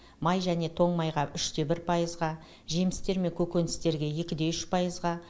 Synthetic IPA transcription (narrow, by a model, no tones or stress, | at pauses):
mɑjʒæne̞t̪ʰo̞ɴmɑjʁɑʔʏʃt̪e̞bɪɾpʰɑjəzʁɑ | ʒemɪst̪e̞ɾme̞ŋkʲʰɵkʲe̞nɪst̪e̞ɾɡʲe̞jekʲɪd̪e̞ʏʃpʰɑjəzʁɑ